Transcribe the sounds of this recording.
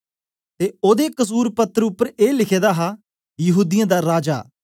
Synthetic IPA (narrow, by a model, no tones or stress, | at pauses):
t̪eːoːd̪eːkəs̬uːɾpət̪əɾʊpːəɾeːlɪkʰeːd̪aːɦaː | jəɦuːd̪ɪjãːd̪aːɾaːd͡ʒa̰ː